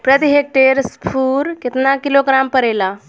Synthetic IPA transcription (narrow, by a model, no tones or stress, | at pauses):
pɾət̪iɦek̚ʈeɾspʰuːɾket̪nakiloɡɾampəɾela